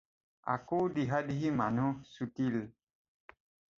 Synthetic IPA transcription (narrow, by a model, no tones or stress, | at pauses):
a̰kudiɦadiɦimanũsutil